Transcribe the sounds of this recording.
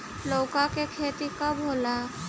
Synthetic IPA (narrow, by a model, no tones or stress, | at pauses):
lowkakekʰet̪ikabʱola